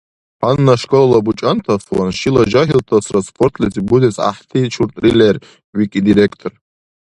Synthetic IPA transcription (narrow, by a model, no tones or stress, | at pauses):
ħanːaʂkʼolalabut͡ʃʼant̪ʰafwanʃilaʒaɦilt̪ʰasʰraspʰʼort̪ʰʼlezibudesa̰ħtʰit͡ʃʰurt̪ʼrilʲer | wikʲʼid̪iɾekʰt̪ʰor